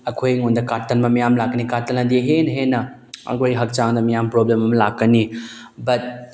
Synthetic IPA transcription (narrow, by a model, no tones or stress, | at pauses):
ɐkʰojŋondɐkaɾtɐnmɐmijamlakːɐnikaɾtɐnɐdiɦenɦenɐ | ɐ̰kʰojɦɐk̚t͡ʃaŋdɐmijampɾoblemɐmɐlakːɐni | bɐt̚